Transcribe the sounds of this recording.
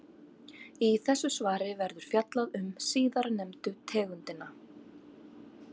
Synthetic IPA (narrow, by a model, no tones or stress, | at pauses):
iθɛsːʏsvaːɾɪvɛɾðʏɾ̥fjat̪laðʏmsiːðaɾanɛmt̪ʏt̪ʰɛːɣʏnt̪ɪnːa